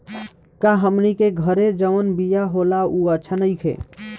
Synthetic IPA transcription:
kaɦəmnikeɡʱəɾed͡ʒənbijaɦolauətːʃʰanəjkʰḛ

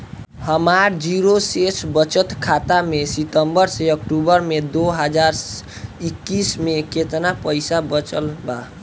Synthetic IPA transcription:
həmaɾd͡ʒiɾosesbət͡ʃət̪kʰat̪amesit̪əmbəɾseəkʈubəɾmed̪oɦəd͡ʒaɾ | ikːismeket̪napəjsabət͡ʃəlba

